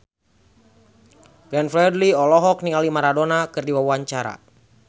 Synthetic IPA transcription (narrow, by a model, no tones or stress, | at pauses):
ɡ̥ɾɛnfɾɛdliɔlɔɦɔk̚niŋalimaɾadonakɨrdiwawuaɲt͡ʃaɾa̰